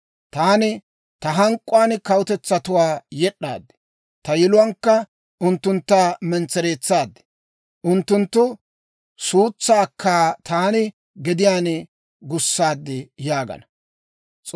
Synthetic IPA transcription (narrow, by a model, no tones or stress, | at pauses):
t̪aːnɪ | t̪ɐɦɐŋkʼːʊwaːnkɐwʊt̪ɛt͡sːɐt̪ʊwaːjɛɗːa̰ːd̪ːɛ̥ | t̪ɐjɛlʊwɐːŋkːɐ | ʔʊnt̪ːʊnt̪ːaːmɛnt͡sːɛɾe̞ːt͡sːaːd̪ɛ̥ | ʔʊnt̪ːʊnt̪ːʊ | suːt͡sːaːkʰːaːt̪aːnɪ | ɡɛd̪ɪjaːn | ɡʊsːaːd̪ːɪjaːɡɐ̰nɐ | t͡sʼ